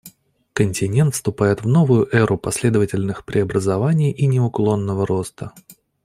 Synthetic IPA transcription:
kənʲtʲɪnʲe̞nt̪fst̪ʊpajɪt̪vno̞vʊjʊʔɛɾʔʊpɐsʲlʲe̞d̪əvətʲɪlʲnɨxpɾʲɪɐbɾəzɐvanʲɪjʔinʲɪʊklˠo̞nːəvəɾo̞st̪ə

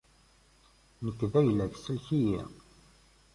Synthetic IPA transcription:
nəkːvæjlæksəlçijæ̰

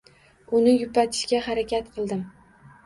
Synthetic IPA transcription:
ʊnɪjʊpat̪ʰɪ̥ʃkʲahaɾakʲʰat̪qʰɨlˠd̪ɪm

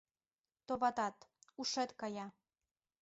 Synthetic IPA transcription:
t̪oβɑt̪ɑt̪uʃet̪kɑjɑ

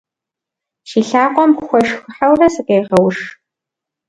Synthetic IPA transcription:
ʃiːɬaːqʷɔmʷxʷɔʂxɨħawrɐsɨqʼejʁɐwʂ

